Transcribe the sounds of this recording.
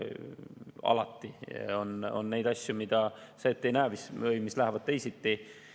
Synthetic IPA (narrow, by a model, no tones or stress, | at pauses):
ɑ̰lɑt̪ːˑio̞no̞̰nːe̞jd̪ɑsʲjumid̪̥ɑseːt̪ːejnæːmisɤjmislæhævɑd̪̥̚t̪e̞jsit̪ːi